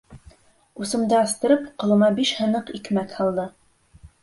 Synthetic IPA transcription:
usɤ̆md̪ɤɑst̪ɤ̆ɾɤpqŏlˠɤ̆mɑbiʃhɤ̆nɤqikmækhɑlˠd̪ɤ

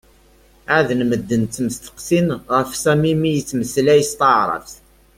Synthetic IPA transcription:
ʕaðnməd̪ːənt̪ːəmst̪ə̥qsinʁəfsæmimijət͡sːməslæjəst̪əʕɾˤə̰fθ

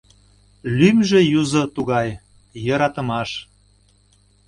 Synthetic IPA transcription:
lymʒĕjuzot̪uɣɑjː | ɤɾɑt̪əmɑʃ

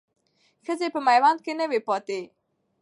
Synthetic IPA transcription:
xəzepəmajwɑnd̪̚kenəwepɑt̪e

